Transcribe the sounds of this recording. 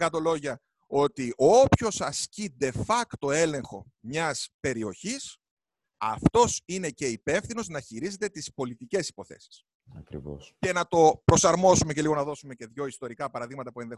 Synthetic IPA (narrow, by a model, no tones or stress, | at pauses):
kɐt̪o̞lo̞ʝɐ | o̞t̪iʔopço̞sɐscid̪e̞fɐkt̪o̞e̞le̞ŋxo̞ | mɲɐspe̞ɾio̞çis | ɐ̰ft̪o̞sine̞ce̞ipe̞fθino̞znɐçiɾize̞t̪e̞t̪ispo̞lit̪ice̞si̥po̞θe̞̰si̥s | ɐ̰kɾḭvo̰sce̞nɐt̪o̞pɾo̞sɐɾmo̞sumece̞liɣo̞nɐðo̞sume̞ce̞ðʝo̞ist̪o̞ɾikɐpɐɾɐðiɣmɐt̪ɐpue̞nðe